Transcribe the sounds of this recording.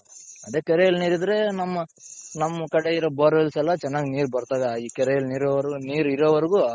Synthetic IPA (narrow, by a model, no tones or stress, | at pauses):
ɐd̪eːkɐɾejɐlniːɾid̪ɐɾe̞nɐmːɐnɐmːɐkɐɽeiɾobɐːɾʋɛlsɛlːɐt͡ʃɛnːaːɡiniːɾubɐɾt̪aːɡɐiːkɐɾejɐlniːɾoːʋɐɾɡuniːɾiɾoːʋɐɾɡu